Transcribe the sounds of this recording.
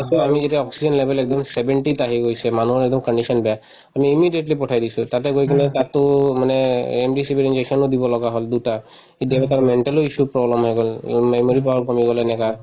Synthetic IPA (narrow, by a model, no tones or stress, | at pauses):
asɔamizetɛɔksid͡ʒɔnlebʱelɛk̚d̪ɔmsebʱeɳʈit̪aɦiɡojsɛmanuɦɔɾɛk̚d̪ɔmkəɳɖisɔnbɛja | amiːmiɖieʈlipɔʈʰajd̪isũt̪at̪ɛɡojkʰinɛt̪at̪umaneemɖisibiɾind͡ʒeksɔnod̪ibɔlɔɡaɦɔld̪uʈa | idiabet̪aɾmeɳʈeloisupɹɔblɔmɦɔjɡɔlmajmoɾipaɦɔɾkɔmiɡɔlenɛka